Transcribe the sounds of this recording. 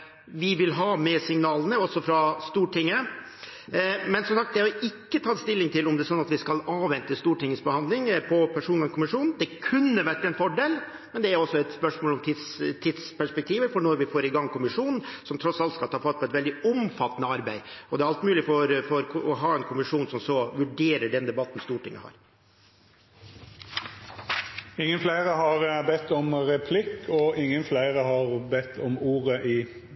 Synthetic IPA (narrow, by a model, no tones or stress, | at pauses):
ʋɪʋɪlɦɑmɛsɪŋnɑːlənəɔsːɔfɾɑst̪uːʈɪŋːə | mɛnsɔmsɑk̚t̪d̪ɛhɑɾɪkːət̪ʰɑt̪st̪ɪlːɪŋt̪ʰɪlɔmd̪ɛsɔnːɑt̪ʋɪskɑlɑːʋʋɛnt̪əst̪uːʈɪŋːəsbəhɑnd̪lɪŋpʰɔpʰæʂuːnəkʰʊmɪʂuːnn̩d̪ɛkʰʉnːəʋæʈːɛnfɔɖeːl | mɛnd̪ɛæɾɔsːɔɛt̪spœʂmoːlɔmt̪ʰɪt̪st̪ʰɪd̪spæʂpɛk̚t̪ʰiːʋəfɔɳɔɾʋɪfoːɾɪɡɑŋːkʰʊmɪʂuːnn̩sɔmt̪ʰɾɔsɑlt̪skɑlt̪ʰɑːfɑt̪̚pɔɛt̪ʋɛld̪ɪʊmfɑt̪ːənəɑɾbæɪɔd̪ɛæɾɑlt̪mʉːlɪfɔɾfɔɾɔɦɑːɛnkʰʊmɪʂuːnsɔmsɔʋʉɖeːɾəɖɛnd̪ɛbɑt̪ːən̩st̪uːʈʰɪŋːə̰hɑ̰ːɾ | ɪŋːənflæɪʁəɦɑʁbɛt̪ːɔmʁɛpʰlɪkːɔʔɪŋːənflæɪʁəhɑʁbɛt̪ːɔmuːʁəʔi